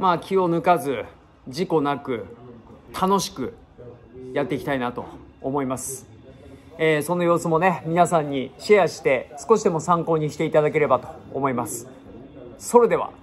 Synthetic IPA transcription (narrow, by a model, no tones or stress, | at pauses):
maːkʲio̞nɯ̟kazɨ | ʑiko̞nakɯ̟ | t̪ʰano̞ɕi̥kɯ̟ | jat̪ːe̞ikʲi̥t̪ainat̪o̞̰ːmo̞imasɨ̥ | eːso̞nojo̞ːsɨmo̞ne̞mʲinasãɲ̟ːiɕiaɕi̥t̪e̞sɨ̥ko̞ɕid̪e̞mo̞sãŋko̞ːɲ̟ikʲi̥t̪e̞it̪ad̪ake̞ɾe̞bat̪o̞̥̰ːmo̞imasɨ̥ | so̞ɾe̞d̪e̞βa̰